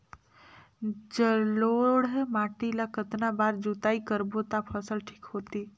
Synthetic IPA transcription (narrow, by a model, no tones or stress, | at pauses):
d͡ʒəloɽɦɛmaːʈilakət̪nabaːɾd͡ʒut̪aːikəɾbot̪apʰəsəlʈʰi̥kɦoːt̪i